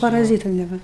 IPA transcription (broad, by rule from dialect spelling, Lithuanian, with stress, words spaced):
pɐrɐˈzʲiːtʊ nʲɛˈʋɐ